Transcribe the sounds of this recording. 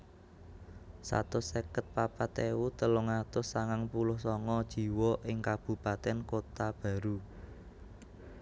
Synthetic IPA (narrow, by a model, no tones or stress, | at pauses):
sa̰t̪ʊsekət̪̚papat̪ewut̪əlʊŋat̪ʊsːaŋaŋpulʊhsɔŋɔd̥ʒ̥i̤wɔʔɪŋkab̥ṳpat̪ɛnkot̪ab̥ä̤ɾu